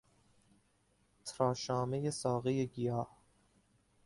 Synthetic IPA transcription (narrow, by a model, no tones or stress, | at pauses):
t̪ʰɾɒːʃɒːmejesɒːɣejeɡijɒːh